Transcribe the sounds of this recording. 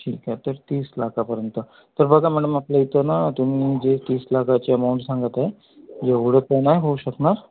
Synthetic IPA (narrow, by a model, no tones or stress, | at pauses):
ʈʰḭːkat̪əɾt̪iːslakʰapəɾjənt̪ə | t̪əɾbəɡʱamæɽəmaplait̪ənat̪um̤iːd͡ʑet̪iːslakʰat͡ɕeəmauɳʈsãŋɡət̪aɦe | jeʋuɽ̤ət̪enaɦeɦouɕəknaɾ